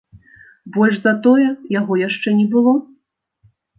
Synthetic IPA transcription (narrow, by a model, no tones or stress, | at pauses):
bɔlʲʐzɐt̪ɔjɛjaɣɔjaʂt͡ʂɛnʲɛbɨlˠɔ